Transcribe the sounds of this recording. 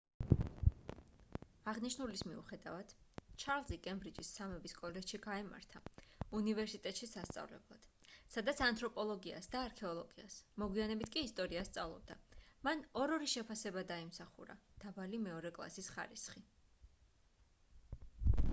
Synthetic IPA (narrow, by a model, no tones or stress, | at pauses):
aʁniʃnulismḭṵχɛd̪avad̪̥t͡ʃʰaɾlˠzikʼɛmbɾid͡ʒisːamɛbiskʼɔlɛd͡ʒʃiɡaɛma̰ɾt̪ʰaunivɛɾsit̪ʼɛt̪ʼʃisast̪sʼa̰vlɛ̰blˠad̪̥sad̪at̪sʰant̪ʰɾɔpʼɔlˠɔɡia̰sd̪aːɾkʰɛɔlˠɔɡiasmɔɡwianɛbit̪ʰkʼiːst̪ʼɔɾiast̪sʼavlˠɔ̰b̚d̪amanɔɾɔɾiʃɛpʰasɛbad̪aimsaχṵɾa̰d̪̥avalimɛɔɾɛkʼlˠa̰sisχa̰ɾisχi